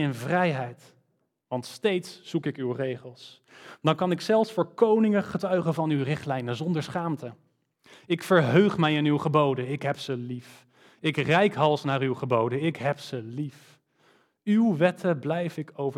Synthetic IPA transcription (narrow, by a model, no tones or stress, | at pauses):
ɪnvrɛjɦɛjt | ʋɑntstejtsːukɪkywrejχəlˠs | dɑnkɑnɪksɛlˠfsfʊːɹkownɪŋəχətœɥχəvɑnywrɪχtlɛjnəzɔndəɹsχaːmtə | ɪkfəɹɦøɥχmɛjɪnywχəbowdənɪkɦɛpsəlif | ɪkrɛjkɦɑlˠsnaːrywχəbowdəɪkɦɛpsəlif | ywʋɛtʰəblɛjfɪkowvə